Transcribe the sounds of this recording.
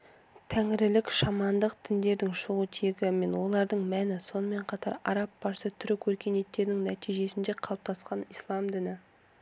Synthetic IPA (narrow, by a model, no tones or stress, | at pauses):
t̪ʰæŋɪɾɪlɪkʃɑmɑnd̪əq̚t̪ʰɪnd̪e̞ɾd̪ɪŋʃʊʁut̪ʰeɡʲɪme̞nwo̞lˠɑɾd̪əɴmænɪso̞nəme̞ɴqʰɑt̪ɑɾɑ̰ɾɑp̚bɑɾsət̪ʰʏɾɪkʲʰwɵɾkʲe̞ne̞t̪ːe̞ɾɪnɪŋnæt̪ijʒe̞sɪnd̪e̞qʰɑlˠp̚t̪ɑsqɑnijslˠɑmd̪ɪnɪ